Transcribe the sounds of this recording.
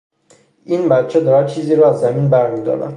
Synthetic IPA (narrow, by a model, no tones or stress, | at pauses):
ʔiːnbæt̪̚t͡ʃʰed̪ɒːɾæd̪̚t͡ʃʰiːziːɾɔːæzːæminbæɾmid̪ɒ̰ːɾæ̰n